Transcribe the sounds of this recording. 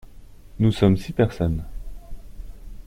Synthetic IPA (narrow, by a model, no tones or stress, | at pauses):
nusɔmsipɛʁsɔn